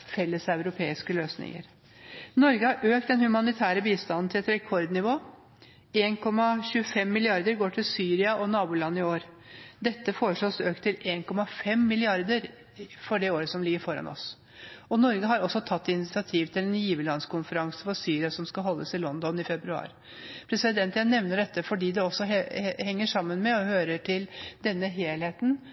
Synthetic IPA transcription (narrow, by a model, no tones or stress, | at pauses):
fɛlːəsæʉɾʊpʰeːɪskəløːsnɪ̰ŋə̰ɾ | nɔɾɡəhɑɾʔøːk̚t̪̚d̪ɛnhʉmɑnɪt̪ʰæːɾəbiːst̪ɑnnt̪ʰɪlɛt̪ɾɛkʰɔɾd̪nɪʋoː | eːnkʰɔmːɑɕʉːəfɛmːɪlɪɑɾd̪əɾɡoːʈʰɪlsyːɾɪɑʔɔnɑːbʊlɑnːɪoːɾ | d̪ɛt̪ːəfoːɾəʂɭoːsøːkt̪ʰɪlʔeːnkʰɔmɑfɛmːɪlɪɑɾd̪əɾ | fɔɖɛoːɾəsɔmlɪɡːəɾfɔɾɑ̰nʔɔ̰s | ɔnɔɾɡəɦɑɾɔsːɔt̪ʰɑt̪ːɪnɪt̪sɪɑt̪ʰiːʋt̪ʰɪlɛnjiːʋəlɑnskʰʊnfəɾɑŋsəfɔɾsyːɾɪɑsɔmskɑɦɔlːəsɪlɔnd̪ɔnɪfɛbɾʉɑ̰ːɾ | pʰɾɛsɪd̪ɛnt̪jænɛʋnəɖɛt̪ːəfɔɖiːd̪ɛɔsːɔɛhɛŋːəʂɑmːənmɛɔhøːɾəʈʰɪld̪ɛnːəɦeːlheːt̪n̩